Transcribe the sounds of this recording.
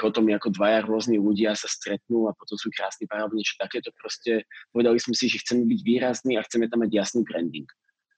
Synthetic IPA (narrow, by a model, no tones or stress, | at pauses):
pɔt̪ɔmɛakɔd̪ʋajaɾʊɔzniluɟɪasast̪ɾɛt̪̚nuːapɔt̪ɔmsuːkɾa̰ːsnipaɾaɲɛt͡ʃɛ̥t̪akɛːt̪ɔpɾɔscɛpɔʋɛd̪alismɛsiʒɛxt͡sɛmɛbiɟʋiːɾazniːaxt͡sɛmɛt̪amːaɟjasniːbɾɛnd̪iŋk